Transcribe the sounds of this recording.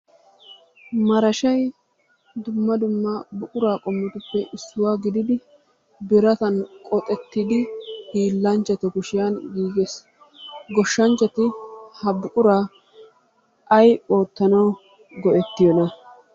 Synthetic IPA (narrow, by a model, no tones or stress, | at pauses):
mɐɾɐʃɐj | d̪ʊmːɐd̪ʊmːɐbʊkʼʊɾaːkʼɔmːɔt̪ʊpːɛʔɪsːʊwaːɡɪd̪ɪd̪ɪ | bɪɾɐt̪ɐnkʼɔt̪ʼɛt̪ːɪd̪ɪhiːlːɐnt͡ʃːɐt̪ɔkʊʃɪjanɡiːɡes | ɡɔʃːɐnt͡ʃːɐt̪ɪhɐbʊkʼʊɾaː | ʔɐjo̞ːt̪ːɐnɐw | ɡɔʔɛt̪ːɪjɔnɐ